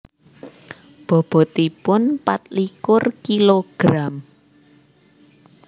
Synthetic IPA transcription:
b̥ɔ̤b̥ɔ̤t̪ipʊnpat̪̚likʊrkiloɡ̥ɾam

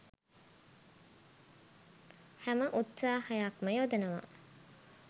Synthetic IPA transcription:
hæməʔut̪saːhajakməjod̪enəʋa̰

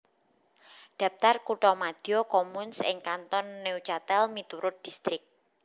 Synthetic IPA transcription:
ɖ̪̥ä̤p̚t̪arkuʈɔmad̪̥iokɔmunsɪŋkant̪ɔnːeut͡ʃat̪ɛlmit̪uɾʊt̪̚d̪̥ist̪ɾɪk̚

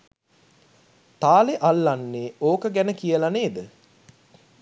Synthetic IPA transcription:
t̪aːleʔalːanːeːoːkəɡænəkijəlaneːd̪ə

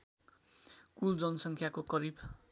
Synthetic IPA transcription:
kuld͡zʌnʌsʌŋkʰjakokʌɾib

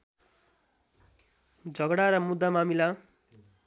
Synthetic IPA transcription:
d͡zʱʌɡɽaɾʌmud̪ʱːamamila

